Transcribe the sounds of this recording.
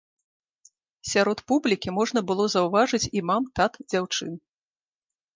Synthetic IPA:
sʲaɾɔt̪publʲikʲimɔʐn̪ɐbɨlˠɔzɐwvaʐɨt͡sʲimamt̪at̪d͡zʲawt͡ʂɨn

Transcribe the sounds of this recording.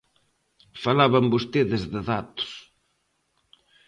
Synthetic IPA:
falaβambost̪eðɪzðɪðat̪ʊ̥s

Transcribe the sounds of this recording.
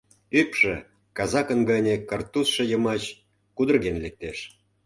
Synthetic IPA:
ypʃĕ | kɑzɑkə̆nɡɑnʲekɑrt̪usʃɤ̆jəmɑt͡ɕ | kud̪ə̆rɣenlek̚t̪eʃ

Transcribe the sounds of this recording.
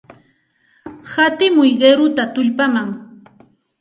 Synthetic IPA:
hat̪ɪmʊjɢeɾʊt̪at̪ʊʎpamaŋ

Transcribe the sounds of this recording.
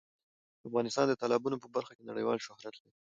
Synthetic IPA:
d̪afɣɑnɪst̪ɑnd̪ət̪ɑlɑbunopəbaɾxakenaɽə̰jwɑlʃʊhɾat̪lai

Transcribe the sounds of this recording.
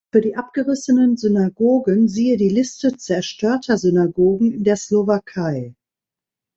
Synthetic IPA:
fyːɐdiːʔap̚ɡ̥əʁɪsənənzynaɡoːɡənziːədiːlɪstət͡sɛɐʃtʰøːɐtʰɐzʏnaɡoːɡŋ̩ɪndeːɐslovakʰaɪ

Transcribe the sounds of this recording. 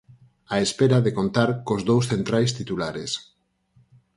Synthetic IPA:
aespeɾaðekont̪aɾkozðowsθent̪ɾajst̪it̪ulaɾes

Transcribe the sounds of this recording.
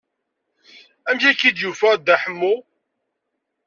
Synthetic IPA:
æmçækːid̪jufæd̪æħəmːu

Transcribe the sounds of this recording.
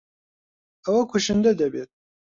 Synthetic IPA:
ɐwɐkʰuʃɨnd̪ɛd̪ɛbḛːt̪̚

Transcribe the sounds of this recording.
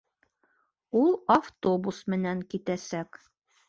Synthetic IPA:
ulˠaft̪obusmɘ̆næŋkit̪æsæk

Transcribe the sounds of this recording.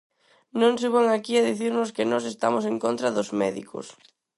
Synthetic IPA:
nõŋseβaŋakiaðiθiɾnʊskɪnɔs̬est̪a̰moseŋkont̪ɾaðʊzmɛ̰ðḭko̰s

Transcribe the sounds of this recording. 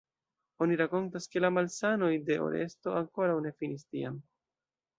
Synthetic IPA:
o̞niɾako̞ntaske̞lamalsano̞jde̞ʔo̞̰ɾe̞̰sto̞aŋko̞ɾawne̞finistiam

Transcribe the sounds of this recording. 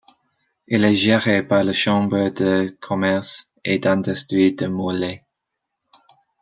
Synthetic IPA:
ilɛʒeʁepaʁləʃɑ̃bʁəd̪əkʰɔmɛʁs | ed̪ãnd̪ɛst̪ʁid̪əmolɛ

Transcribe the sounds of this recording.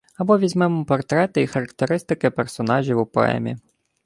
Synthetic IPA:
ɐbɔʋʲizʲmɛmʊpɔrt̪ɾɛt̪ɪixɐɾɐkt̪eɾɪst̪ɪkɪpɛrsɔnɑʒʲiwupɔ̰ɛ̰mʲḭ

